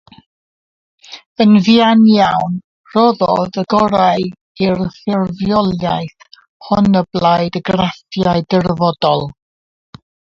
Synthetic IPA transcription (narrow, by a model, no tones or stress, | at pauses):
ənvianjawn | rɔðɔðəɡɔɾaj | irθɪrvjɔlˠja̰jθ | hɔnəblˠaɨdəɡrafjaɨdərvɔdɔlˠ